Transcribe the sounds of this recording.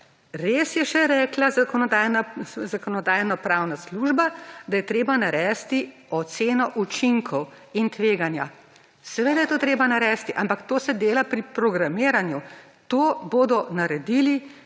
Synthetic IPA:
ɾeːsjɛʃɛɾɛːklazakɔnɔd̪ajnazakɔnɔd̪aːjnɔpɾaːwnasluːʒbad̪ajɛt̪ɾeːbanaɾɛːst̪i | ɔt̪seːnɔʔut͡ʃiŋkʰɔw | int̪ʋeːɡanja̰ | sɛʋeːd̪ajɛt̪oːt̪ɾeːbanaɾɛːst̪iʔampakt̪oːsɛd̪eːlapɾipɾɔɡɾamiːɾanju | t̪oːboːd̪ɔnaɾɛd̪ili

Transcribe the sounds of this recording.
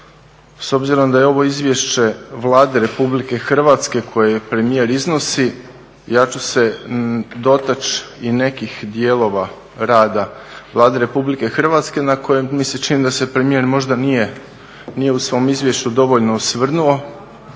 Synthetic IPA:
so̞bziɾo̞md̪ajeo̞ʋo̞izʋje̞ʃt͡ɕe̞ʋlˠaːd̪e̞ɾe̞publike̞xr̩ʋaːt̪ske̞kʰo̞jepɾe̞mije̞ɾizno̞si | jat͡ʃuse̞ | d̪o̞t̪at͡ʃine̞kixd̪je̞ːlˠo̞ʋa | ɾaːd̪aʋlˠaːd̪eɾe̞publike̞xr̩ʋaːt̪ske̞nakʰo̞jemmiset͡ʃinimd̪ase̞pɾe̞mije̞ɾmo̞ʒd̪anije | nije̞usʋo̞mizʋje̞ʃt͡ɕud̪o̞ʋo̞ʎnousʋr̩nuo̞

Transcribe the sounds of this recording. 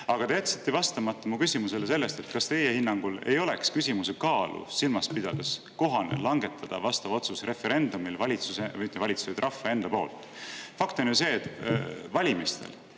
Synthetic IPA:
ɑɡ̥ɑt̪eɑt̪si̥t̪ːˑevɑst̪ɑmɑt̪ːˑɑmukysʲimuse̞le̞se̞lːe̞st̪et̪kɑst̪e̞je̞hinːɑŋɡ̥ule̞̰jo̞le̞kskysʲimuse̞kɑːlṵsilmɑspid̪̥ɑd̪̥es | ko̞ɦɑnḛlɑŋɡ̥e̞t̪ʰːˑɑd̪̥ɑ̰vɑst̪ɑvo̞t̪susre̞fe̞ɾe̞nd̪̥umilvɑlʲit̪susemit̪ːˑevɑlʲit̪sused̪rʔɑfːɑe̞nd̪̥ɑpo̞ːlt̪ˑ | fɑkt̪o̞njuse̞ːt̪vɑlʲimist̪e̞̰l

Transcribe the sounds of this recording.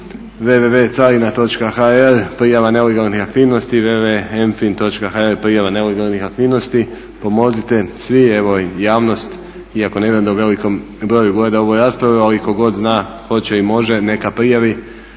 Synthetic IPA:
ʋeʋeʋet̪salinat̪o̞t͡ʃkaxaeɾpɾijaʋane̞leɡalˠnixakt̪iːʋno̞st̪iʋeʋeenfint̪o̞t͡ʃkaxaeɾpɾijaʋane̞leɡalˠnixak̚t̪iːʋno̞st̪i | po̞mo̞zit̪esʋie̞ʋojaːʋno̞st̪ | iako̞ne̞ʋiend̪uʋe̞liko̞m | bɾo̞ːjuɡojed̪ao̞ʋojɾaːspɾaʋealiko̞ɡo̞d̪znaː | xo̞t͡ɕeimo̞ʒe̞ne̞kapɾijaʋi

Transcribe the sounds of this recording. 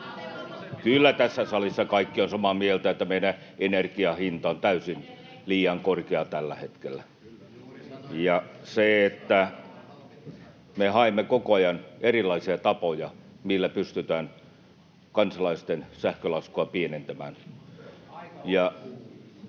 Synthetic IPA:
kylːæt̪æsːæsɑlisːɑkɑikːionsɑmɑmielt̪æet̪ːæmeiɾæenerkiɑhint̪ɑont̪æysin | liːjɑŋkorkeɑt̪ælːæhet̪kelːæ | jɑseet̪ːæ | mehɑemːekokoɑjɑnerilːˑɑisiɑt̪ɑpojɑ | milːæpyst̪yt̪æːn | kɑnsɑlɑist̪ensæhkølɑskoɑpienent̪æmæːn | jɑ

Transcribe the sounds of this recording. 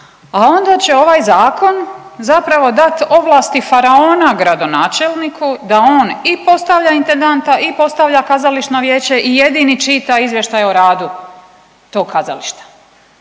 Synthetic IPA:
ao̞nd̪at͡ɕe̞o̞ʋaːjzaːko̞nzapɾaʋo̞d̪at̪o̞ʋlˠaːst̪ifaɾaoːnaɡɾad̪o̞naːt͡ʃelˠnikʰud̪ao̞ːnipo̞st̪aʋʎaint̪e̞nd̪ant̪aipo̞st̪aʋʎakazaliʃno̞ʋje̞ːt͡ɕe̞ʔije̞d̪init͡ʃit̪aizʋje̞ʃt̪ajoɾaːd̪u | t̪oːɡ̚kaza̰liʃt̪ḁ

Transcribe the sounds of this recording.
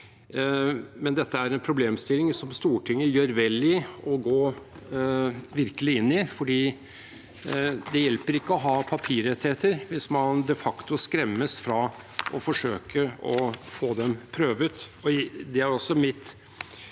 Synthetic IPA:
mɛnd̪ɛt̪ːəæɾɛnpʰɾʊbleːmst̪ɪlːɪŋsɔmst̪uːʈʰɪŋːəjøːɾʋɛlɪɔɡoː | ʋɪɾkəlɪɪnːɪfɔɖiː | d̪ɛjɛlpəɾɪkːəɔɦɑːpʰɑpʰiːɾɛt̪ːheːt̪əɾʋɪsmɑnd̪ɛfɑkt̪ʊskɾɛmːəsfɾɑ | ʔɔfɔʂøːkʰəɔfoːd̪ɛmpʰɾøːʋət̪ɔd̪ɛæɾɔsːɔmɪt̪

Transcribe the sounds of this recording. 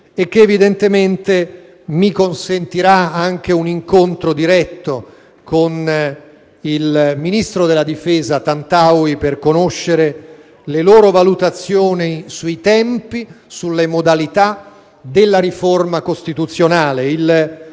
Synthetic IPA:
ek̟ːeːvid̪ent̪ement̪e | mikonsent̪iɾaaŋk̟euniŋkont̪ɾod̪iɾɛt̪ːo | kon | ilminist̪ɾod̪elːad̪ifɛːzat̪ant̪awiperkonoʃːeɾe | leloːɾovalut̪at̪sːjoːnisuit̪ɛmpisulːemod̪alit̪a | d̪elːaɾiformakost̪it̪ut̪sːjonaːleil

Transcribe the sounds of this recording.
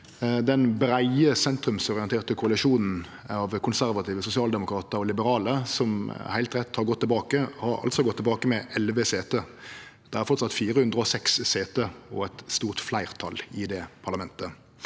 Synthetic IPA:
d̪ɛnbɾæɪəsɛnt̪ɾʉmsɔʁɪɛnt̪eːʁt̪əkʰʊɑlɪʃuːnn̩ | ɑʋkʰʊnsæɾʋɑt̪ʰiːʋəsʊsɪɑːld̪ɛmʊkɾɑːt̪əɾɔlɪbəɾɑːləsɔmhæɪlt̪ɾɛt̪ːhɑɾɡɔt̪ːɛlbɑːkəhɑɾɑ̰lt̪sɔɡɔt̪ʰːɛbɑːkəmɛʔɛlʋəseːt̪əd̪̥ɛæɾfɔɾt̪sɑt̪ːfiːɾəhʉnd̪ʁəɔsɛksːeːt̪əɔ̰ɛt̪st̪uːʁt̪flæɪʁt̪ʰɑ̰lɪd̪ɛpʰɑʁlɑmɛnt̪ə

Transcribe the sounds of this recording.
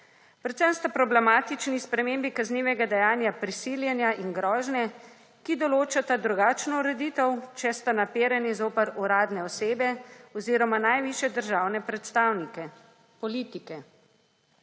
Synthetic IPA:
pɾɛt̪sɛmst̪apɾɔblɛmaːt̪it͡ʃnispɾɛmeːmbikazniːʋɛɡad̪ɛjaːnjapɾisiljɛnjaʔinɡɾɔːʒnjɛ | kid̪ɔloːt͡ʃat̪ad̪ɾuɡaːt͡ʃnɔuɾɛd̪iːt̪əwt͡ʃɛst̪anapeːɾanizoːpəɾuɾaːd̪nɛɔseːbɛɔziːɾɔmanajʋiʃjɛd̪əɾʒaːwnɛpɾɛt̪st̪aːwnikɛ | pɔliːt̪ikɛ

